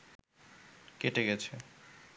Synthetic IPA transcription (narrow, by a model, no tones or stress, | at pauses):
keʈeɡɛt͡ɕʰe